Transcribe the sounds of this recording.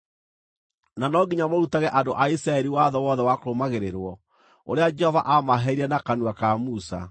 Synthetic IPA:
nanɔɡiɲamoɾutaɣɛʔadoʔaisɾaɛɾiwaðɔwɔðɛwakoɾomaɣeɾeɾwɔ | oɾead͡ʒɛhɔva̰ʔamaɦɛiɾɛnakanuwakamusa̰

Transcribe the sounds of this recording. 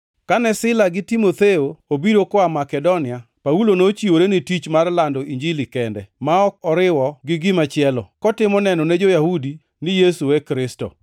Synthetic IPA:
kanɛsɪlaɡɪtimot̪eoobiɾokɔamakɛdonɪa | paulonot͡ʃioɾenɪtit͡ʃmarlandɔiɲd͡ʒilikɛndɛ̰maɔk̚ɔɾɪwɔɡɪɡɪmat͡ʃɪɛlɔkɔtɪmɔnɛnɔned͡ʒojahudi | nɪjesuɛkɾɪsto̰

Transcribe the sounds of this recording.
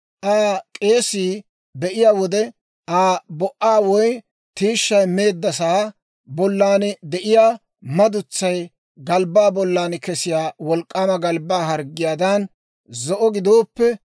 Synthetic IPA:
ʔaːkʼeːsiː | bɛʔɪjaːwɔd̪ɛ | ʔaːbɔʔaːwɔj | t̪iːʃːɐjme̞ːd̪ːɐsaː | bɔlːaːnd̪ɛʔɪjaː | mɐd̪ʊt͡sːɐj | ɡɐlbaːbɔlːaːnkɛsɪjaːwɔlkʼːaːmɐɡɐlbaːɦɐɾɡːɪjaːd̪ɐn | zɔʔɔɡɪd̪oːpːɛ

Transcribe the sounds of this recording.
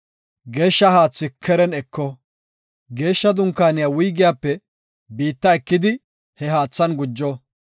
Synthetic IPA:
ɡe̞ːʃːɐhaːt͡sːɪkʰːɛɾɛnɛkːɔ | ɡe̞ːʃːɐd̪ʊŋkːaːnɪjawʊjɡɪjaːpːɛ | biːt̪ːɐɛkːɪd̪ɪ | hɛɦaːt͡sːɐnɡʊd͡ʒːɔ

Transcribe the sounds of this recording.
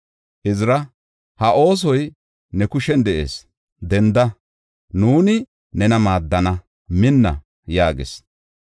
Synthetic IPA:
ʔɪzɪɾɐ | hɐʔo̞ːs̬ɔj | nɛkʊʃɛnd̪ɛʔḛːs | d̪ɛnd̪ɐ | nuːnɪ | nɛnɐmaːd̪ːɐnɐ | mɪnːɐ̰ | jaːɡḛs

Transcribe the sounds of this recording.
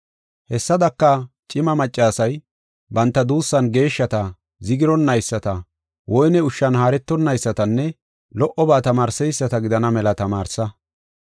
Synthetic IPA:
hɛsːɐd̪ɐkːɐt͡ʃʼɪmɐmɐt͡ʃʼːaːsɐj | bɐnt̪ːɐd̪uːsːɐnɡe̞ːʃːɐt̪ɐ | zɪɡɪɾɔnːɐjsːɐt̪ɐ | wɔjnɛʊʃːɐnhaːɾɛt̪ːɔnːɐjsːɐt̪ɐnːɛ | lɔʔɔbaːt̪ɐmaːɾsɛjsːɐt̪ɐɡɪd̪ɐnɐmɛlɐt̪ɐmaːɾsɐ

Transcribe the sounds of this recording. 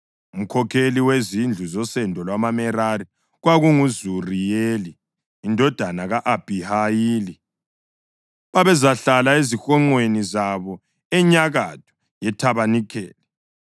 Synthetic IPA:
um̩kʰɔkʰeliwezind͡ɮʱuzɔsɛndʱɔlwamamɛɾari | ɣwaɣuŋuzurijeliː | ndʱɔd̥ʱanaɣaʔab̥ʱihajiːli | βaβɛzaɬalaezixɔŋ͡ǃwenizaβɔ | ɛɲaɣad̥ʰʱɔ̥ | jɛtʰaβanikʰɛ̰ːlɛ

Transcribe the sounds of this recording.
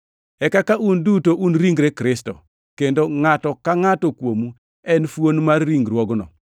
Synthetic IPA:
ɛkakaʔundutoʔunɾiŋɡɾekɾɪstɔ̰ | kendoŋatɔkaŋatɔkwomu | ɛnfwonmarːiŋɡɾwɔɡnɔ̰

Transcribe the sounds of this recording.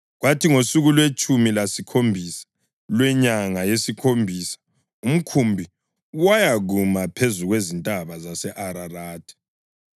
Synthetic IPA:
ɣwatʰiŋosuɣulwet͡ʃʼumilasikʰombʱisḁ | lwɛɲaŋajesikʰombʱiːsḁ | um̩kʰumbʱi | wajaɣumapʰezuɣwezintʼaβazasɛʔaɾaraːtʰʼi̥

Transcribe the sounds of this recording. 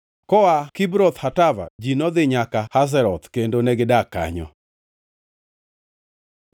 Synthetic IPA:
kɔakibɾɔt̪hatava̰d͡ʒinɔd̪ɪɲakahas̬ɛɾɔt̪kendonɛɡɪdaka̰ɲɔ̰

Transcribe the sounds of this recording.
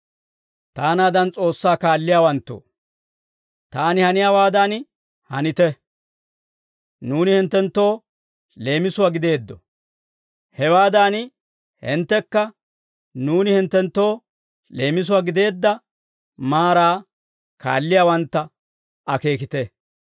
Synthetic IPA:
t̪aːnaːd̪ɐnt͡sʼo̞ːsːaːkaːlːɪjaːwɐnt̪ːo̰ː | t̪aːnɪhɐnɪjaːwaːd̪an | hɐnɪt̪ɛ | nuːnɪhɪnt̪ːɛnt̪ːo̞ː | le̞ːmɪsʊwaːɡɪd̪e̞ːd̪ːɔ̰ | hɛwaːd̪aːn | hɪ̰nt̪ːɛkːɐ | nuːnɪhɪnt̪ːɛnt̪ːo̞ː | le̞ːmɪs̬ʊwaːɡɪd̪e̞ːd̪ːɐ | maːɾaː | kʰa̰ːlːɪjaːwɐnt̪ːɐ | ɐke̞ːkɪt̪ɛ

